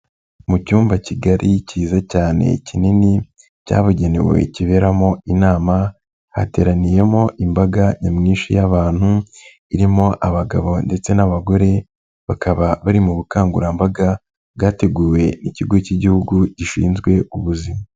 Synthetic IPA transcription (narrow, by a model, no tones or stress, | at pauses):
mucuːmbaciɡaɾʔiciːzacaːne̞̰cinini | ca̰ːβuɟe̞ne̞̰we̞̰ciβe̞ːɾamo̞inaːma | ha̰te̞ːɾanije̞mo̞ʔimbaɡaɲamŋiːnʃḭjaβaːn̥hu | iɾimo̞ʔaβaɡa̰βo̞nde̞t͡se̞naβaɡo̞ɾe̞ | βakaβaβaɾimuβukaːŋɡṵɾambaɡa | βɡaːte̞ɡuːwe̞niciɡo̞ciɟihuɡuɟiʃḭːnzɡwe̞uβuzima